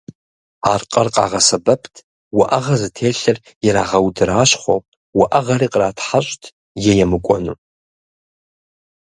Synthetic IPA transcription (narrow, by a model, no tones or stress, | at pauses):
arqʼɐrqʼa̰ʁɐsɐbɐpʰtʰ | waʔɐʁɐzɨtʰeːɬɐr | jɛɾaːʁɐwdɨɾaːʃχʷo̰ | waʔɐʁɐɾiqʼraːtʰħaɕʼtʰ | jɛjɛmɨkʷʼɔ̰nu